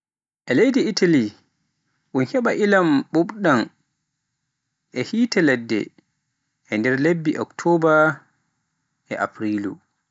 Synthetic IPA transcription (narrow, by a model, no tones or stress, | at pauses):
ʔɛlejdiitʰali | ʔunhɛɓaʔilamɓuɓɗan | ʔɛhiːtɛlɛdːɛ̰ | ɛndɛɾlebːiʔɔ̰ktʰɔba | ɛ̰ʔa̰pɾilṵ